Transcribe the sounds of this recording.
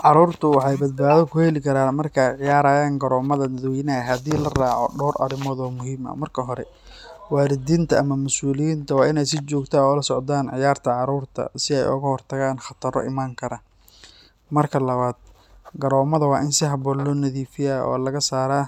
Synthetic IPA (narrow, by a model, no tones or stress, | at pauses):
ʕɑɾuːrt̪ʰʊwɑħɑjbɐd̪̚baːðɔkʰʊhɛlɪkʰɐɾaːnmɐrkʰɐɛjʕɪjaːɾaːjaːŋɡɐɾɔːmɐðɐnɐðwɪnɐɦɐd̪iːlɐraːʕɔ̰ɖɔːɾʔɐ̰ɾɪmɔðɔːmʊɦiːmɐ̰mɐrkʰɐɦɔɾɛ | waːɾɪd̪iːnt̪ʰɐʔɐmɐmʊsuːlɪjint̪ʰɐwɑːʔɪnɛjsɪt͡ʃɔːɡt̪ʰaːɔːlɐsɔʕt̪aːnʕɪjaːrt̪ʰɐʕɑɾuːrt̪ʰɐ̰sɪɛ̰jʊ̰ɣɐhɔrt̪ʰɐɣaːnχɑt̪ʰɐɾɔ̰ʔɪmaːŋkʰɐɾɐ | mɐrkʰɐlɐβaːd̪̚ | ɡɐɾɔːmɐðɐwɑːʔɪnsɪɦɐbɔlːɔnɐðiːfɪjaɔ̰ːlɐɣɐsaːɾaː